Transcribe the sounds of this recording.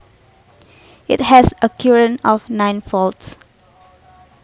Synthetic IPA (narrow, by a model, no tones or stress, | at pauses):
ɪt̚hɛsəkʰjuɹə̃nɔfnãjnfɔlts